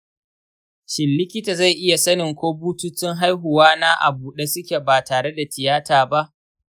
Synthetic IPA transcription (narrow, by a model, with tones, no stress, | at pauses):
ʃɪ˨lːɪ˦kʲɪ˦ta˨za˦˨ʔɪ˦ja˨sɐ˦nɪ˨ŋkʷoː˦buː˦tu˦t͡ʃɪ˦ŋɦa˦jɦʊ˨waː˦na˦ʔa̰˨buː˨ɗe˦sʊ˦kʲe˨baː˨taː˨ɽe˦da˨tɪ˨jaː˦taː˨ba˦ʔ